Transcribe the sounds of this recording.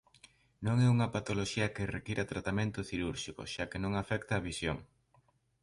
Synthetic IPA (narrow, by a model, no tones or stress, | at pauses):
nõŋɛuŋɐpat̪oloʃiɐkerekiɾɐt̪ɾat̪amẽnt̪ʊθiɾuɾʃikʊ̰ʃakenõŋafɛk̚t̪ɐːβisjoŋ